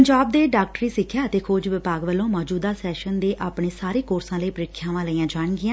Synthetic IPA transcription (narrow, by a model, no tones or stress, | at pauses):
əɲd͡ʒaːb̚d̪eːɖaːk̚ʈɾiːsɪkʰːjaːət̪eːkʰoːd͡ʒʋɪpaːɡʋəlːõːmɔːd͡ʒuːd̪aːsɛːʃənd̪eːʔaːpɳeːsaːɾeːkoːɾsãːləiːpəɾɪkʰːjãːʋãːləiːãːd͡ʒaːɳɡɪãː